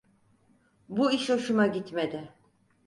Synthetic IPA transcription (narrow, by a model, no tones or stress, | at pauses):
buiʃoʃumaɟit̪me̞d̪ɪ